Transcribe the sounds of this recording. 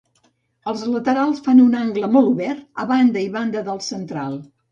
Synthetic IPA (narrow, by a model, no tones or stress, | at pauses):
əlˠzlət̪əɾalˠsfanunaŋɡləmɔlˠuβɛrt̪ə̰βand̪əiβand̪əðəlˠsənt̪ɾalˠ